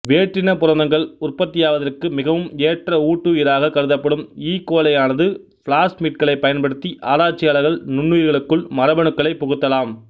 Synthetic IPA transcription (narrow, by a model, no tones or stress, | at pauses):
ʋeːʈrɪnɐpʊɾɐnd̪ɐŋɡɐɭʊrpɐt̪ːɪjaːʋɐðɐrkɯmɪɣɐʋɯmeːʈrɐuːʈːuiːɾaːɣɐkɐɾɯðɐpːɐɽɯmiːkːoːlɐjaːnɐðɯ | fɭaːsmiːʈ̚kɐɭɐɪpːɐjɐnpɐɽɯt̪ːiʔʔaːɾaːt͡ʃːɪjaːlɐɣɐɭnʊɳːujɪɾɣɐɭɯkːɯɭmɐɾɐbɐɳɯkːɐɭɐɪpːɔɣɯt̪ːɐlaːm